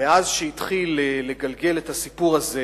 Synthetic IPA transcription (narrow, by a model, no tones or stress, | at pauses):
eʔazʃeit̪χileːe̞ɡalɡe̞letasipuʁaze